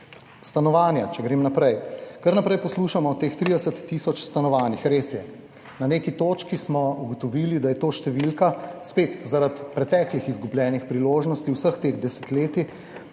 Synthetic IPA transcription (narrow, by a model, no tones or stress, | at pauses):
st̪anɔʋaːnjat͡ʃɛɡɾeːmnapɾɛjkəɾnapɾɛjpɔsluːʃamɔt̪eːxt̪ɾid̪ɛsət̪ːisɔt͡ʃst̪anɔʋaːnixɾeːsjɛ | nanekit̪oːt͡ʃkismɔuɡɔt̪ɔʋiːlid̪ajɛt̪oːʃt̪ɛʋilkaspeːt̪zaɾat̪pɾɛt̪ɛːklixizɡublʲjɛːnixpɾiloːʒnɔst̪iwsəxt̪exd̪ɛsɛ̥t̪leːt̪i